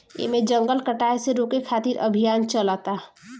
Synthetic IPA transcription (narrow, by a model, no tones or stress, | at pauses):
ḛmẽd͡ʒə̃ŋɡəlkəʈaːeseɾoːkekʰaːt̪iɾʔə̰bʱijaːnt͡ʃəlaːt̪aɦ